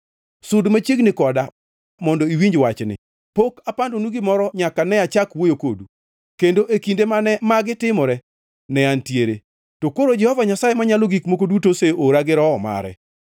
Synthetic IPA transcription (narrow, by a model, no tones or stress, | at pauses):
sʊdmat͡ʃeɡnɪkɔda | mɔndɔiwiɲd͡ʒwat͡ʃnɪ̰ | pokapandonuɡɪmɔɾɔɲakanɛat͡ʃakwojokodu | kendoʔekindemanɛmaɡɪtɪmɔɾɛ | nɛantjeɾḛ | tokoɾod͡ʒɛhɔvaɲasajemaɲaloɡikmokodutoseoɾaɡɪɾɔːma̰ɾɛ̰